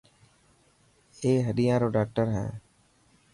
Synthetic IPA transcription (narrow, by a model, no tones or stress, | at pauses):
eːɦəɗɪjãːɾoːɖaːk̚ʈəɾɦɛ̰ː